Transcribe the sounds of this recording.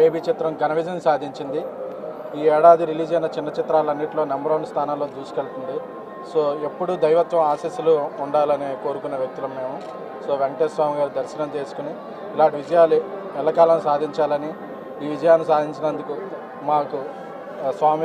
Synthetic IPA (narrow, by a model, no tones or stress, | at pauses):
eːbiːt͡ʃit̪ɾɐmɡɐnɐʋid͡ʒɐnsaːd̪ʱiɲt͡ʃind̪i | iːɛːɽaːd̪iɾiliːd͡ʒɐnɐt͡ʃinːɐt͡ʃit̪ɾaːlɐnːiʈloːnɐmbɐɾɐːnst̪ʰaːnaːlːoːt̪uːsu̥keɭt̪und̪i | so̞ːe̞pːuɽud̪ɐjʋɐt̪ʋɐmaːsisuluuɳɖaːlɐneːko̞ːɾukunːɐʋjɐk̚t̪ulɐmːe̞ːmu | so̞ːʋeɳʈeːsʋaːmiɡaːɾud̪ɐɾsɐnɐmt̪e̞ːsu̥kuni | ilaːɳʈiʋid͡ʒɐjaːlu | ɛlːɐkaːlɐnusaːd̪ʱiɲt͡ʃaːlɐni | iːʋid͡ʒɐjaːnusaːd̪ʱiɲt͡ʃinɐnd̪uku | maːku | sʋaːmi